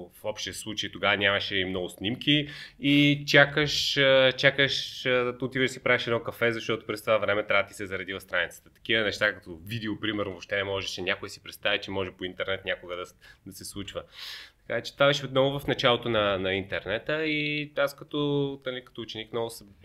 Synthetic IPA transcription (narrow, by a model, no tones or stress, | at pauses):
fɔpʃt̪ɛslˠut͡ʃəjt̪oɡavɐnʲamɐʃɛimnɔɡʊsnʲimkʲiit͡ʃakəʃt͡ʃakəʃt̪ʊt̪ivʲəʃd̪si̥pɾaviʃɛd̪nɔkɐfɛzɐʃt̪ɔt̪ʊ̥pɾɛst̪ovavɾɛmɛt̪ɾavət̪i̥sɛzɐɾɐd̪ivɐfst̪ɾanit̪sə̥t̪ət̪ɐ̥k̟ivənɛʃt̪akɐt̪ovid̪ɛopɾimɛɾnvoʃt̪ɛnɛmɔʒɛʃɛnʲakʊjsi̥pɾɛt̪st̪avʲɐt͡ʃɛmɔʒɛpoint̪ɛɾnɛt̪nʲjakʊɡəd̪ɐd̪ɐsɛslˠut͡ʃvət̪ɐ̥kat͡ʃɛ̥t̪vavɛʃɛot̪nɔvʊvɐfnɐt͡ʃalˠot̪onɐnɐint̪ɛɾnɛt̪əiaskɐt̪ɔnalikɐ̥t̪ɔːt͡ʃɛnikmnɔɡʊsɛ